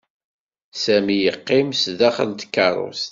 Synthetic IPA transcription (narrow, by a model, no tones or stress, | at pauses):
sæmijəqːɪmsðæχə̰lt̪kːɑrˤo̰s